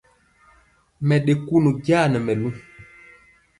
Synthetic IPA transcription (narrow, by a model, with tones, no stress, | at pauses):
mɛ˨ɗe˨ku˦nu˨ɡjaː˦˨nɛ˨mɛ˨lu˦